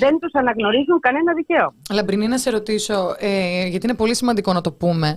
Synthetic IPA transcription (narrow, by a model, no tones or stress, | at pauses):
ðe̞nt̪usɐnɐɣno̞ɾizuŋkɐne̞nɐðice̞oɐlɐpɾininɐse̞ɾo̞t̪iso̞eʝɐt̪inepo̞lisimɐnd̪iko̞nɐt̪o̞pume̞